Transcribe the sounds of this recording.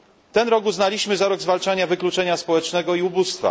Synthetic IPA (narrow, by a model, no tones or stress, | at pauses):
t̪ɛnɾɔɡuznalʲiɕmɘzaɾɔɡzvalt͡ʂaɲavɘklut͡ʂɛɲaspɔwɛt͡ʂnɛɡɔiubust̪fa̰